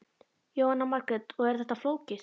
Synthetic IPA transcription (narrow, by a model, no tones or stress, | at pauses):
joːwhanːamaɾkɾɛt̪ɔɣɛɾ̥θɛht̪afloːwcɪ